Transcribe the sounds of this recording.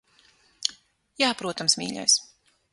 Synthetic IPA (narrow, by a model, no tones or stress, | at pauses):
jaːpɾuɔt̪amsmʲḭːʎʲɔ̰js